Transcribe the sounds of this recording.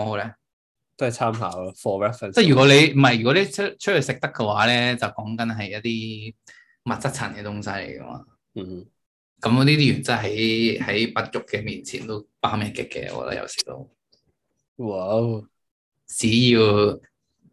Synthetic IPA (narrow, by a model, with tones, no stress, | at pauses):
ɔ˧lɛ˦˥ | t̪o˥hɐ˨˩t͡sʰaː˥mɦa̰ː˨˥˧fɔː˧wɛ˥fɐ˨nt͡sa˥jyː˨kɔː˨˥le˨˧jm̩˨˩ɐ˨˩jɥy˨˩kɔ˨˥le˨˧jt͡s̚ʰt͡ʃʰɵ˥hɵ˧sɪ˨k̚t̪ɐ˥kːɛ˧waː˨˥lɛː˥t͡sɐ˨wkɔː˨˥ŋkɐ˨˥nɦɐ˨jɐ˥t̪̚t̪iː˥ | mɐ˨t̚t͡sɐ˥t͡sʰɐ˨˩nkɛ˧t̪ʊ˥ŋsɐ˧˥jlḛ˨˩jkɐ̰˨˥ma̰˧˨˧ | kɐ˨˥m˧niː˥t̪̬iː˥jy˨˩nt͡sɐː˥ɦɐ˨˥jhɐ˨˥jpɐ˨˧t̚jʊ˨kːɛ˧miː˨nt͡sʰiː˨˩nt̪o˥wpaː˥mɛː˧˩kɪ˨˩kːɛ̰˧wɔ̰ː˨˧k̚t̪ɐ̰˥jɐ̰˨wsi̥̰ː˨˩lo̰˧w | waw | t͡siː˨˥jiː˧w